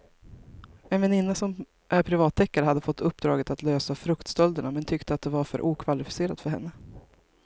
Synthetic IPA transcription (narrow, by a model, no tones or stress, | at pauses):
ɛnvɛnɪnːasɔm | ʔæɾpʰɾɪvɑːt̪ʰːɛkːaɾəhad̪ːəfɔt̪ːɵpːd̪ɾɑːɡət̪at̪løːsafɾɵkt̪st̪ɔld̪əɳamɛnt̪ʰʏkt̪əat̪̚d̪ɛvaɾfœ̰ɾʔuːkʰvalɪfɪ̥seːɾad̪fœɾɦɛ̰nːə